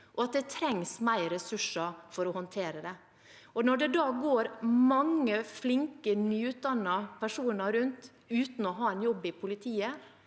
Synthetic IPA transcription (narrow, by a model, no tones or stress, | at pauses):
ʔɔɑt̪̚d̪ɛt̪ʰɾɛŋsmæɪɾɛsʉʂəfɔɾɔhɔnt̪ʰeːɾəd̪ɛ | ɔnɔɖɛd̪ɑːɡoːɾmɑŋːəflɪŋkənyːʉt̪̚d̪ɑnːɑpʰæʂuːnəɾʉnt̪ | ʉːt̪n̩ɔɦɑːɛnjɔbːɪpʰʊlɪt̪ʰiːə